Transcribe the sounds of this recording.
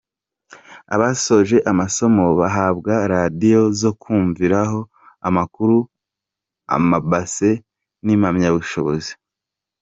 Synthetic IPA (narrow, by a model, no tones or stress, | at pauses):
a̰βaso̞ʒe̞ʔamaso̞mo̞βaɦabɡaɾadijo̞zo̞kʰuːɱviɾaɦo̞ | amakuɾu | a̰mabase̞ | nimamɲaβuʃo̞βo̞zi̥